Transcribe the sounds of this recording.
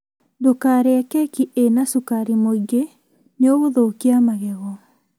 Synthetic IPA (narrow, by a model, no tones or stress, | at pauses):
dokaːɾeakɛkiʔenasukaɾimoiɡe | neɔɣoðokiamaɣɛɣɔ